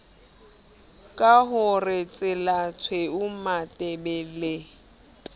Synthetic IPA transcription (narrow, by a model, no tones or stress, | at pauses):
kʼaɦʊrɪt͡sʼɪlat͡sʰweʊmatʼɛbɛle